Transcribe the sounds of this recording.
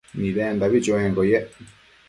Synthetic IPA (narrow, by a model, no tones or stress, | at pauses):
nilɛndaβit͡ʃwɛŋɡɔjɛ